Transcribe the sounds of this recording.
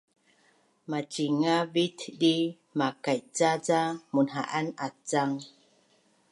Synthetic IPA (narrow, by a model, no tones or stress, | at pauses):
mat͡ʃiŋavitɗi | makajt͡sad͡zamunɦa̰ʔanat͡saŋ